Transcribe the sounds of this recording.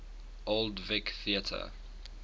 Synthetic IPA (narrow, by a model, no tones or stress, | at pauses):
oldvɪkθiətʰə̰